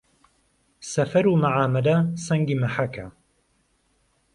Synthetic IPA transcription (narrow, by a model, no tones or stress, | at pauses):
sɐfɐɾuːmaʕaːmɐlɐsɐŋɡiːmɐħakʰa